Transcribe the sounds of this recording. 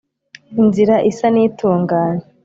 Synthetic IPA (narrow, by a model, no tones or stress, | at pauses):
inziɾaʔisaniːtuːŋɡaːne